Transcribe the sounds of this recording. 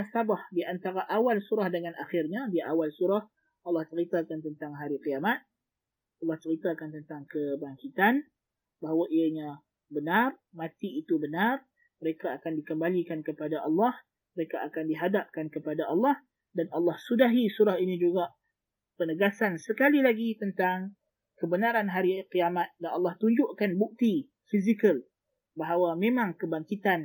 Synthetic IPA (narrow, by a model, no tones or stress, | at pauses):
asabahdiʔant̪aɾaʔawalsuɾahdəŋanʔaxɪrɲadiaʔawalsuɾah | ɑlːɑht͡ʃəɾit̪akant̪ənt̪aŋɦaɾikijamat̪̚ | ɑlːɑht͡ʃəɾit̪akant̪ənt̪aŋkəbaŋkit̪an | baɦawaʔiaɲã | bənarmãt̪iːt̪ubənar | məɾekaːkandikəmbalikankəpadaʔɑlːɑh | məɾekaʔakandiɦadap̚kankəpadaʔɑlːɑh | danʔɑlːɑhsudaɦisuɾahinĩd͡ʒuɡaʔ | pənəɡasansəkalilaɡit̪ənt̪aŋ | kəbənaɾanɦaɾiqiamat̪̚danɑlːɑht̪uɲd͡ʒʊʔkanbuk̚t̪i | fizikəl | baɦawamẽmãŋkəbaŋkit̪an